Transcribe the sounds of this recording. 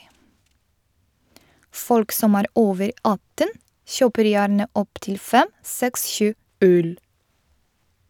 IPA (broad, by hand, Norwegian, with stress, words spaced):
ˈfɔlk ˈsɔm ˈæːɾ ˈʔoːʋəɾ ˈʔɑtən ˈçøːpəɾ ˈjæːɳə ˈʔɔptɪl ˈfɛm ˈsɛks ˈʃʉː ˈʔøːl